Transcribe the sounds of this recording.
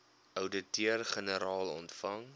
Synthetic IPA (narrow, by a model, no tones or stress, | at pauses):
œwdətyərχənəɾɑːlˠɔ̰ntfɐŋ